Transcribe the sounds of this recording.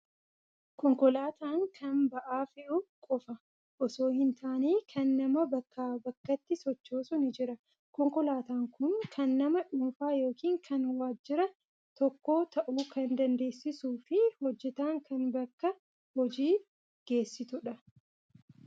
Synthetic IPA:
kɔŋkɔlaːt̪aːŋkʰɐnbɐʔaːfɪʔʊkʼɔfɐ | ʔɔso̞ːhɪnt̪aːneːkʰɐnːɐmɐbɐkːaːbɐkːɐt̪ːɪsɔt͡ʃːoːsʊnɪd͡ʒɪɾɐ | kɔŋkɔlaːt̪aːŋkʊnkʰɐnːɐmɐᶑʊːnfaːjo̞ːkiːŋkʰɐnwaːd͡ʒːɪɾɐ | t̪ɔkːo̞ːt̪ɐʔuːkɐnd̪ɐnd̪e̞ːsːɪsuːfɪhɔd͡ʒːɛt̪aːŋkɐnbɐkːɐ | hɔd͡ʒiː | ɡ̥e̞ːsːɪt̪ʊᶑɐ

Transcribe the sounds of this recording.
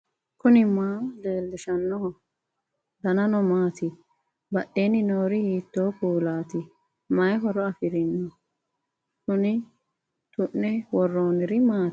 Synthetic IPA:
kʊnɪmaːd̪eːlːɪʃɐnːɔhɔ | d̪ɐnɐnɔmaːt̪ɪ | bɐʔeːnɪnoːɾɪhiːt̪ːoːkuːlaːt̪ɪ | mɐjɦɔɾɔɐfɪɾɪnːɔ | sʊnɪ | t̪ʊʔːɛwɔrːoːnɪɾɪmaːt

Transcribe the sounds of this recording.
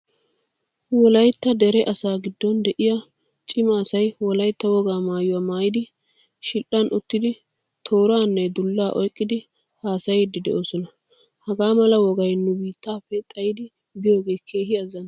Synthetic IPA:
wɔlɐjt̪ːɐd̪ɛɾɛʔɐsaːɡɪd̪ːɔnd̪ɛʔɪjɐ | t͡ʃʼɪmɐːsɐjwɔlɐjt̪ːɐwɔɡaːmaːjʊwaːmaːjɪd̪ɪ | ʃɪlʔɐnʔʊt̪ːɪd̪ɪ | t̪ʰo̞ːɾaːnːɛd̪ʊlːaːʔɔjkʼːɪd̪ɪ | haːsɐjd̪ːɪd̪ɛ̰ʔoːsɔnɐ | hɐɡaːmɐlɐwɔɡɐjnːʊbiːt̪ːaːfːɛt̪ʼɐjɪd̪ɪ | bɪjoːɡe̞ːkʰːe̞ːɦɪɐzːɐn

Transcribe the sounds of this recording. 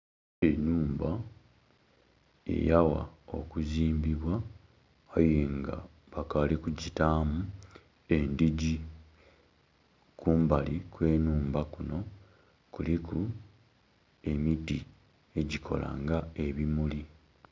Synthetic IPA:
enuːmba | e̞̰jawa̰o̞̰kuziːmbiβwaː | jeŋɡa̰ | βakalikuɟitaːmu | e̞ndiɟi | kuːmbalikwe̞ːnuːmbakuno̞ | kuliku | e̞miti | e̞ɟikʰo̞̰la̰ːŋɡae̞βimuli

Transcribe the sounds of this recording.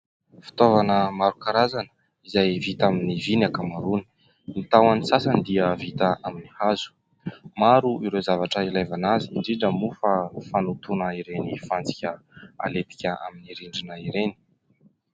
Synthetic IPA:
fi̥t̪ovanəmaɾukaɾazanə̥ | izajvit̪aminivinakamaɾuni̥ | nit̪awanisasand̪iəvit̪aaminihazu̥ | maɾuʔiɾezavaʈ͡ʂəilajvanaziɳɖ͡ʐiɖ͡ʐəmufəfanut̪unəiɾenifand͡zikʲəa̰let̪i̥kʲəʔa̰miniɾiɳɖ͡ʐinaiɾeni̥

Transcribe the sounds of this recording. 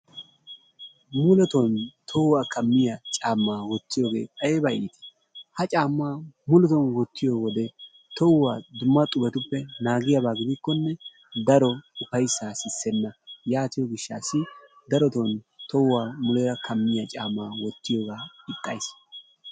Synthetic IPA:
mʊlɛt̪ɔnt̪ʰɔwwaːkɐmːɪjɐt͡ʃʼaːmːaːwɔt̪ːɪjoːɡe̞̰ːkʼɐjɛbɐiːt̪ɪ̥ | hɐt͡ʃʼaːmːaːmʊlɛt̪ɔnwɔt̪ːɪjoːwɔd̪ɛ | t̪ɔwwaːd̪ʊmːɐt̪ʼʊbɛt̪ʊpːɛnaːɡɪjɐbaːɡɪd̪ɪkːɔnːɛ | d̪ɐɾɔʊpɐjsːaːsɪsːɛnːɐjaːt̪ɪjɔɡɪʃːaːsːɪ | d̪ɐɾɔt̪ɔnt̪ɔwwaːmʊlɛjɐkʰɐmːɪjɐt͡ʃʼaːmːaːwɔt̪ːɪjoːɡaːɪt̪ʼːɐjs

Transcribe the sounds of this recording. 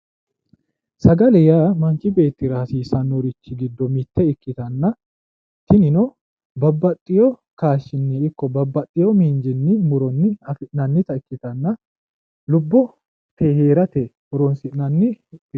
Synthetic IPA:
sɐɡɐlɛjaːmɐŋkɪbe̞ːt̪ːɪɾaːsiːsɐnːɔɾɪt͡ʃːɪɡɪd̪ːɔmɪt̪ːɛɪkːɪt̪ɐnːɐ | t̪ɪnɪnɔ | bɐbːɐt̪ʼːɪjɔ | kaːʃːɪnːɛɪkːɔbɐbːɐt̪ʼːɪjɔmiːnd͡ʒɪnːɪmʊɾɔnːɪɐfɪʔnɐnːɪt̪ɐɪkːɪt̪ɐnːɐ | lʊbːɔ | t̪eheːɾɐt̪ɛ | ɔɾɔnsɪʔnɐnːɪ

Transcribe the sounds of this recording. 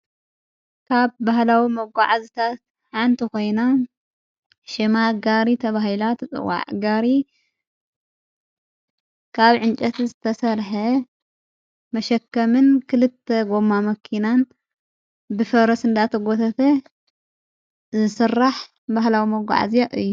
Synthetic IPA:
kʰaβbaɦlawimɐɡʷːaʕazit̪ʰat̪̚ | ħant̪ʰiko̞jna | ʃɪmaɡaɾit̪ʰɐβaɦilat̪ʰɨt͡sʼɨ̰wa̰ʕɡaɾi | kʰaβʕɨnt͡ʃʼɐt̪zɨt̪ʰɐsɐɾħɐ | mɐʃɐkːɐmɨnkʰɨlɨt̪ʰːeɡo̞mːamɐkʰinan | bɨfɐɾɐsɨnd̪at̪ʰɐɡot̪ʰɐt̪ʰɐ | zɨsɨrːaħ | baɦlawimɐɡʷa̰ʕa̰ziaʔɨ̰jːu

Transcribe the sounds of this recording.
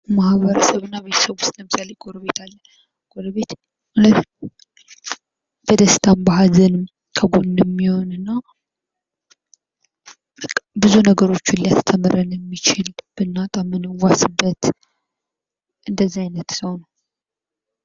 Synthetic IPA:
mahβəɾəsəβɨnːaβe̞t̪ʰə̥səβusləmsʼalejkʼoɾəβe̞t̪ʰalːə | kʼoɾəβe̞t̪ | malət̪ | b̥əd̪əst̪ʰambaɦazɨnɨm | kʰəɡondmːiho̞nɨnːa | bɨzunəɡəɾo̞t͡ʃːʊlijat̪ʰə̥t̪ʰəmɨɾənjɛmːit͡ʃɪlb̥ɨnːat̪ʼamɨnɨwːasɨbːət̪ | ʔɨnd̪əzːiajnət̪səwnəw

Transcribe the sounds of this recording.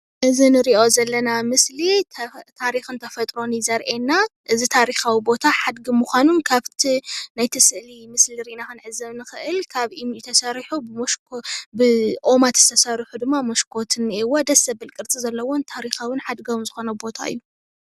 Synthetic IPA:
ʔɨzinɨɾiʔo̞zɐlːɐnamɨslit̪ʰaɾixɨnt̪ʰɐfɐt̪ʼɾo̞nizɐɾʔenːaʔɨzit̪ʰaɾixawibo̞t̪ʰaħad̪ɡimuxʷanunkʰaβt̪ʰinajt̪ʰɨsɨʔlimɨsliɾiʔnakɨnʕɨzːɐβnɨxɨʔɨlkʰaβimjɛt̪ʰɐsɐɾħubɨmoʃkbɨʔo̞mat̪ʰɨ̥st̪ʰɐsɐɾiħud̪ɨmːamɐʃkʰo̞t̪ʰɨnːiwod̪ɐsɐbɨlkʼɨɾt͡sʼizɐlːɐwont̪ʰaɾixawɨnħad̪ɡɐwzɨxo̞nɐbo̞t̪ʰa̰ɨ̰jːu

